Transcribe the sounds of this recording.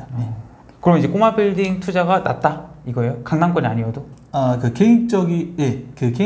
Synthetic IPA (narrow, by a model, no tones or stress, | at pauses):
e | kɯɾʌmid͡ʑe̞k͈omabiɭdiŋtʰud͡ʑaɡana̰t̚t͈aiɡʌejokaŋnaŋk͈ʌɲaɲiʌdo | akɯkeit͡ɕ͈ʌɡijekɯke